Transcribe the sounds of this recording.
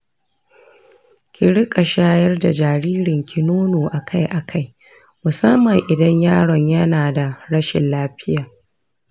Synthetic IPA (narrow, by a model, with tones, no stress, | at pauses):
kʲɪ˨ɽɪ˦kʼa˨ʃaː˦jɐ˦rda˨d͡ʒaː˨ɽiː˦ɾɪ˨ŋkʲʰɪ˨noː˦noː˨ʔa˨kʰa˦jʔa˨kʰa˦j | mʊ˨sɐ˦mːɐ˨ŋʔɪ˨dɐ˦ɲjaː˦ɽɐ˨ɲjɐ˦naː˨da˨ɾɐ˦ʃɪ̰˨nlaː˦ɸɪ˦jaː˨